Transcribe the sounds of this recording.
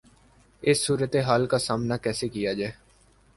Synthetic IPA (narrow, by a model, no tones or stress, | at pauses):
ɪsːuːɾət̪eːɦaːlkaːsaːmnaːkɛːseːkɪjaːd͡ʒɛː